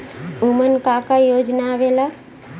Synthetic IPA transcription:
umənkakajod͡ʒnaʋela

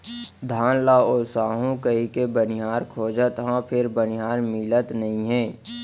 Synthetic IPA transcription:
d̪ʱaːnlaoːsaːɦũkəɦikebənɪɦaːɾkʰoːd͡ʒət̪ɦãpʰɪɾbənɪɦaːɾmɪlət̪nɐɦĩɦɛ̃ː

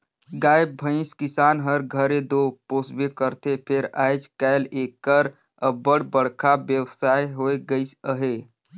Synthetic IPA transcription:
ɡajbːʱə̃ɪ̃skisanɦəɾɡʱəɾed̪oposbekəɾt̪epʰeɾa̰jt͡ʃʰkalekːəɾ | əbəɽ̤bəɽkʰabjəwsajɦoeɡəɪsəɦe

